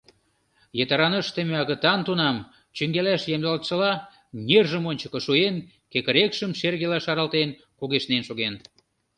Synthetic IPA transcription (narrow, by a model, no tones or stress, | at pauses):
jet̪ɑɾɑnəʃt̪emeɑɣə̆t̪ɑnt̪unɑm | t͡ɕyŋɡelæʃjemd̪ɑlt̪ʃə̆lɑ | nʲerʒəmonʲt͡ɕəkɤ̆ʃuen | kekə̆ɾekʃəmʃerɣelæʃɑɾɑlt̪en | kuɣeʃnenʃoɣen